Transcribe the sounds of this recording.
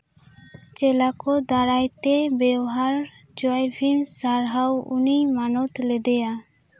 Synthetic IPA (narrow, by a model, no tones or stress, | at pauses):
t͡ʃɛlakɔd̪aɾajt̪ebɛwɦaɾ | d͡ʒɔajbʰʱimsaɾɦawunimanɔt̪lɛd̪ɛja